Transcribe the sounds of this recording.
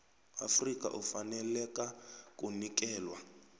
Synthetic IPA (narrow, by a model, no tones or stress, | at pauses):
afrikʼa̰ʔufanɛlɛkʼakʼunik̬ʼɛːlwa